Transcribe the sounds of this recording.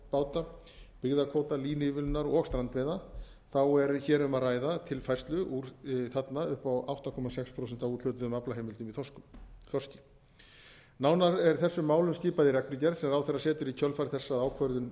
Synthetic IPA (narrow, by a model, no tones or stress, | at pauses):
paːwt̪a | pɪɣðakʰɔwt̪aliːnɪvɪlnaɾɔɔkst̪ɾant̪vejða | θawɛɾçɛːɾʏmaðraːjðat̪ʰɪlfajrst̪lʏʔuɾθat̪naʏhpawa̰wht̪akʰɔmasɛkspʰɾowsɛn̥t̪avuːt̪ʰʏt̪ʏmaplaɦejmɪlt̪ʏmiθɔskʏθɔrscɪ | naːwnaɾɛɾ̥θɛsːʏmːaːwlʏmsc̪ɪːpaðɪɾɛknɪcɛɾsɛmɾawθɛrːasɛːt̪ʏɾicʰœlfajɾθɛsːaðaːwkʰvœɾðʏn